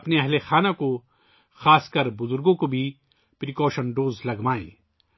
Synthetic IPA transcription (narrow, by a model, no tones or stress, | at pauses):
ɐpneɐɦlexaːnako | xaːskɐɾbʊzʊɾɡõkobʱi | pɾikɔːʃənɖoːzlɐɡmaːḛ̃ː